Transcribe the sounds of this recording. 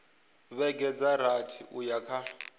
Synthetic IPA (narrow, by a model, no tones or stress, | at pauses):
βɛɡɛd͡zaɾatʰiʔujakʰa